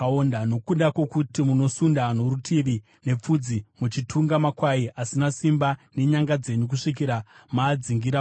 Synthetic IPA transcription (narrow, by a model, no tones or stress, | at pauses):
ondano̞kuɗakwe̞kutimuno̞sundano̞ɾutʰiʋi | ne̞p͡fud͡zimut͡ʃitʰuŋɡamakwaiʔasinasimbane̞ɲaŋɡad͡ze̞ɲuk̬uʂik̬iɾamaːd͡ziŋɡiɾa